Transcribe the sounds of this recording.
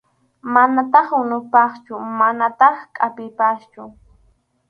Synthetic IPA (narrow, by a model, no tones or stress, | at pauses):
manat̪ɑχʊnʊpɑχt͡ʃʊmanat̪ɑχkʼapɪjpast͡ʃʊ